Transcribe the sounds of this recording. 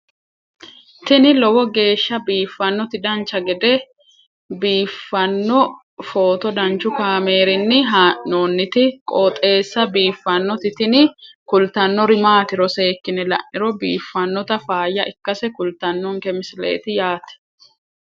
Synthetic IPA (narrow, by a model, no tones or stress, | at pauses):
t̪ɪnɪlɔwɔɡe̞ːʃːɐbiːfːɐnːɔt̪ɪd̪ɐnt͡ʃːɐɡɛd̪ɛ | biːfːɐnːɔ | fo̞ːt̪ɔd̪ɐnt͡ʃːʊkaːme̞ːɾɪnːɪɦanoːnːɪt̪ɪkʼoːt̪ʼe̞ːsːɐbiːfːɐnːɔt̪ɪt̪ɪnɪ | kʊlt̪ɐnːɔɾɪmaːt̪ɪɾɔse̞ːkːɪnɛlɐ̰ʔɪɾɔbiːfːɐnːɔt̪ɐfaːjːɐʔɪkːɐsɛkʊlt̪ɐnːɔŋkɛmɪsɪlḛːt̪ɪjaːt̪ɛ̥